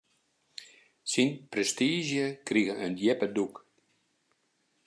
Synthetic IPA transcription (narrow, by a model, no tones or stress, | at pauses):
sinpɾɛst̪iːʒjəkɾiɣəʔəndjɛpəduk